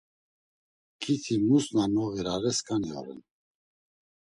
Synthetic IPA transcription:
kʰit̪ʰimusnanɔɣɛɾaɾɛskʰaniɔ̰ɾɛ̰n

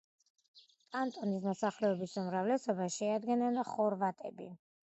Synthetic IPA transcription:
kʼant̪ʼɔnismɔsaχlɛɔbisumɾavlɛsɔbaʃɛad̪ɡɛnɛnχɔɾvat̪ʼɛ̰bḭ

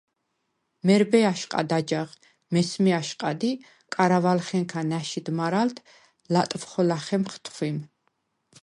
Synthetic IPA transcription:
mɛɾbɛaʃqʼa̰d̪ad͡ʒaʁ | mɛsmɛaʃqʼad̪i | kʼaɾavalχɛŋkʰanaʃid̪maɾalt̪ʰ | lat̪ʼfχɔlaχɛmχt̪ʰχwim

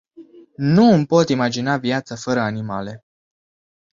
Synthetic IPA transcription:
nuɨmpo̞t̪imad͡ʒinavjat̪səfəɾəanimale̞

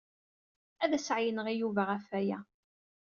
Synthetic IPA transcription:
æðæsʕjənəʁijuvaʁæfæjæ

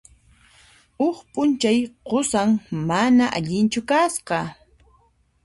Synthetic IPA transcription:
ʊχpʼʊnt͡ʃajqosaŋmanaʔaʎɪnt͡ʃʊkasqɑ

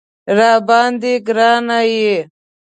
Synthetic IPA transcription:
ɾaːbaːnd̪iɡɾaːnaje

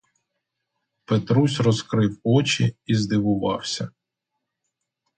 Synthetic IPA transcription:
pet̪ɾusʲɾɔzkɾɪwɔt͡ʃiːzd̪ɪʋʊʋɑ̰wsʲɐ

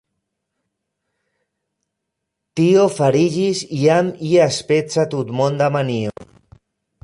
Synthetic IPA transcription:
t̪iofaɾiʎiziamiaspet͡sat̪ut̪mond̪amanio̰

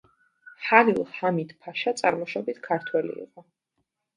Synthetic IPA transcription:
ħalilˠhamid̪pʰaʃat̪sʼaɾmɔʃɔbit̪ʰkʰaɾt̪ʰwɛlḭːqʼɔ

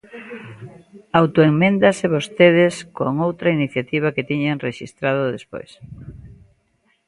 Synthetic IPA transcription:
awt̪oeŋmẽnd̪aseβost̪eð̞eskoŋowt̪ɾainiθjat̪iβ̞aket̪iɲaŋreʃḭst̪ɾað̞oðespo̰js

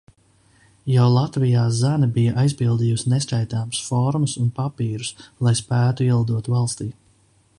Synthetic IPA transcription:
jawlˠat̪vijaːzanɐbijaʔajzpilˠd̪iːjusnesʲt͡ʃajt̪aːmsfɔɾmɐsunpapiːɾuslˠajspæːt̪uiɛlˠud̪uɔt̪valˠst̪iː

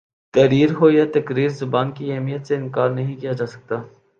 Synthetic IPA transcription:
t̪ɐɾiːɾɦojat̪ɐkɾiːɾzʊbaːnkiɐɦmijət̪seɪnkaːɾnɐɦĩkijad͡ʒaːsɐ̥k̚t̪aː

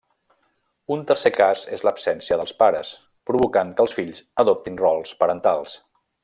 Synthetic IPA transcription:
unt̪ərsekazezləpsɛnsiəðəlˠspaɾəs | pɾuβukaŋkəlˠsfiʎzəðop̚t̪inrɔlˠspəɾənt̪alˠs

